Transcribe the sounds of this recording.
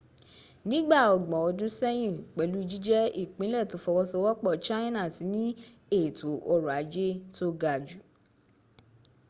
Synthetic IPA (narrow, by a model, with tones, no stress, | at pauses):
nĩ˦ɡ͡ba˦˨ɔ˨ɡ͡bɔ̃˨ɔ˧dũ˦sɛ˦j̃ĩ˦˨k͡pɛ˨lu˦i˧d͡ʒi˦d͡ʒɛ˦i˦˨k͡pĩ˨˦lɛ˦˨to˨˦fɔ˧wɔ˧˦sɔ˧wɔ˦k͡pɔ˦˨t͡ʃã˦nã˦˨ti˨˧˦nĩ˦ | e˦˨to˨˦ʔɔ˧ɾu˨a˨˦d͡ʒe˦to˦ɡa˨d͡ʒu˨